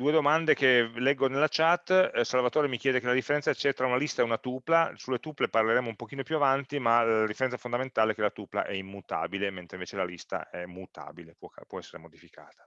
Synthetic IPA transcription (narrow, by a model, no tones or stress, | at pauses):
d̪uːed̪omand̪ekelɛɡːonelːat͡ʃat̪ːsalvat̪oːɾemikjɛːd̪ekelad̪ifːeɾɛnt̪saɛt͡ʃɛt̪ːɾaunalist̪aɛunat̪uplasulːet̪upleparleɾeːmoumpok̟iːnopjuavant̪imalad̪ifeɾɛnsafond̪ament̪aːleɛkːelat̪upla̰ʔɛimːut̪a̰ːbilement̪ɾeiɱvet͡ʃelalist̪a̰ɛmut̪a̰ːbilepwɔkpwɔɛsːeɾemod̪ifikʰa̰ːt̪ḁ